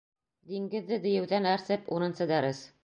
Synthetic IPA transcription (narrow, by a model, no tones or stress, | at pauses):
d̪iŋɡɘ̆ðːɘd̪ɘ̆jɘ̆wðænæɾsɘpuɾɤ̆nsɤd̪æɾɘs